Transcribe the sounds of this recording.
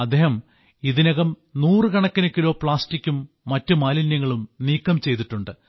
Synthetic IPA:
ɐd̪ːeːhɐm | iðinɐɣɐm | nuːrɨkɐɳɐkːinɐkːilo̞ːpɭaːstikʲːumː | ɐtːumaːlinjɐŋːɐɭumniːkːɐmt͡ɕe̞jt̪iʈːuɳɖɨ

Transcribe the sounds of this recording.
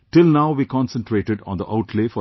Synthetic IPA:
ʈɪlnaʊʋiːkɔ̃nsə̃nʈɾeːʈɪɖɔ̰̃ːnd̪əʔaʊʈʰleːfɔ

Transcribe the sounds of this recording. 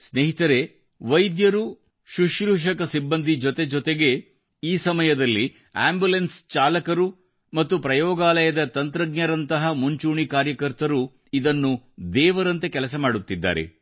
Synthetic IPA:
sneɦit̪ɐɾe̞ | ʋɐjd̪jɐɾu | ʃuʃɾuːʂ̬ɐkɐsibːɐnd̪ʱid͡ʒɔt̪e̞d͡ʒɔt̪e̞ɡe̞ | iːsɐmɐjɐd̪ɐlːi | aːmbulenst͡ʃaːlɐkɐɾu | mɐt̪ːupɾɐjɔːɡaːlɐjɐd̪ɐt̪ɐnt̪ɾɐɡɲɐɾɐnt̪ɐɦɐmuɲt͡ʃuːɳikaːɾjɐkɐɾt̪ɐɾu | id̪ɐnːud̪ɛːʋɐɾɐnt̪e̞kɛlɐsɐmaːɽut̪ːid̪ːa̰ːɾḛ

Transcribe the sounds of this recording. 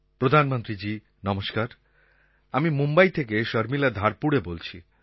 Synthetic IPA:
pɾod̪ʱanmont̪ɾid͡ʑi | nɔmoʃkaɾ | amimumbajt̪ʰekeʃəɾmilad̪ʱaɾpuɽebolt͡ɕʰi

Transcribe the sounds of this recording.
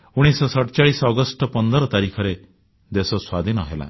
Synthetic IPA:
uɽ̃isɔsɔʈɔt͡ʃaɭisɔːɡɔsʈɔpɔnd̪ɔɾɔt̪aɾikʰɔɾe | d̪esɔswad̪ʱinɔɦela̰

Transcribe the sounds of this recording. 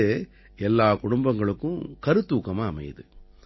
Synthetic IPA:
e | ɛlːaːkʊɽʊmbɐŋɡɐɭɯkːʊ̃kɐɾɯt̪ːuːkːɐmaːɐmɐ̰jðɯ

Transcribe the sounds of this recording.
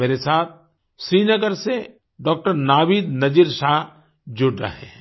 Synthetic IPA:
meːɾesaːt̪̚ʰ | ʃɾiːnɐɡəɾse | ɖɔːk̚ʈəɾnaːʋiːd̪nɐd͡ʒiɾʃaːɦ | d͡ʒʊɽɾɐ̰ɦḛɛ̃

